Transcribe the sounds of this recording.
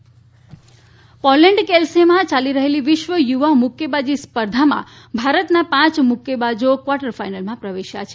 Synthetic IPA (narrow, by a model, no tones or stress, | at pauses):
pɔlɛɳɖkelsemãt͡ʃaliɾəɦeliʋɪʃʋəjuʋamʊkjəbad͡ʒispəɾd̪ʱamã̰ | bʱaɾət̪napãt͡ʃmʊkjəbad͡ʒokʋaʈəɾfajnəlmãpɾəʋeʃja̰t͡ʃʰe̥